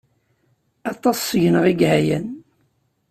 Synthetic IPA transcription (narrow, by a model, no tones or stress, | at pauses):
ɑt̪ˤːɑsːəʝənəʁiɡɦæjæn